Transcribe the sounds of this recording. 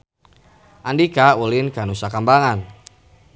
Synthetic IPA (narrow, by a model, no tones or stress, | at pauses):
ʔandikaulɪnkanusakambaŋan